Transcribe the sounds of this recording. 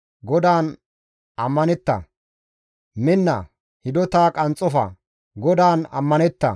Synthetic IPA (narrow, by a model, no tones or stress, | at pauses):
ɡɔd̪aːn | ɐmːɐnɛt̪ːɐ̰ | mɪnːɐ̰ | hɪd̪ɔt̪aːkʼɐnt͡sʼɔfɐ̰ | ɡɔd̪aːnɐ̰mːɐnɛt̪ːɐ̰